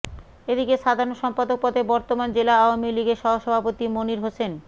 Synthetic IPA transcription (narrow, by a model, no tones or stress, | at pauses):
ed̪ikeʃad̪ʱaɾonoʃɔmpad̪ok̚pɔd̪ebɔɾt̪omand͡ʑelaaoamiliɡeʃɔɦoʃɔbʱapot̪imoniɾɦosen